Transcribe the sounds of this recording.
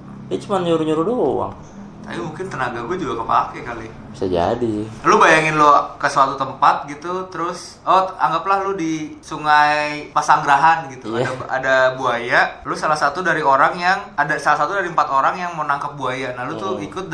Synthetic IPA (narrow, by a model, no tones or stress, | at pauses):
bat͡ʃumanɲuɾuɲuɾudowa̰ŋ | t̪a̰pimuŋkɪnt̪ənaɡaɡuad͡ʒuɡakəpa̰lakɛkalɪ | bi̥sad͡ʒa̰dilubajaŋɪnlokəsəwat̪ut̪əmpat̪̚ɡit̪ut̪əɾʊs | ɔa̰ŋɡaplahlʊdisuŋajpasaŋɡɾaɦanɡit̪uaadaa̰dabuajalʊsalahsat̪udaɾioɾaŋjaŋadasalasat̪udaɾiəmpat̪oɾaŋjaŋmənaŋkap̚buajanahlut̪ʊikʊt̪̚